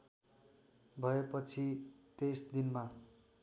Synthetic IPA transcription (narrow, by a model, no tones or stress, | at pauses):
bʱʌepʌt͡sʰit̪esd̪inma